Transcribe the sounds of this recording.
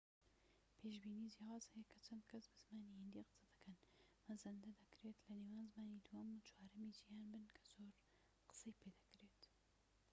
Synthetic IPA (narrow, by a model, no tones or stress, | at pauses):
pʰeːʃbiːniːd͡ʒjaːwaːzhɐjɛkʰɐt͡ʃʰɐnd̪kʰɐsbɨz̥maːniːhɨnd̪iqɨ̥sɐd̪ɨ̥kʰɐnmɐzɐnd̪ɐd̪ɐkɾeːt̪lɐneːwaːnzmaːnid̪uwɐmut͡ʃʰwaːɾɨmiːd͡ʒijaːnbɨnkʰɐ̥z̥oːɾ | qɨ̥sejpʰeːd̪ɐkɾeːt̪